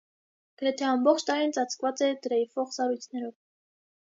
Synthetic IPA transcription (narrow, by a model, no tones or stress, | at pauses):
ɡ̥əɾɛt̪ʰɛɑmbɔχt͡ʃʰt̪ɑɾint͡sɑt͡sʰkvɑt͡sɛd̪əɾɛjifɔχsɑɾujt͡sʰnɛɾɔv